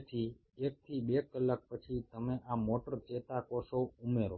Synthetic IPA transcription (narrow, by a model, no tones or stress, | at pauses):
t̪ʰi | ek̚t̪ʰibekəlːak̚pət͡ʃʰit̪əmeʔamoʈəɾt͡ʃet̪akosoumeɾo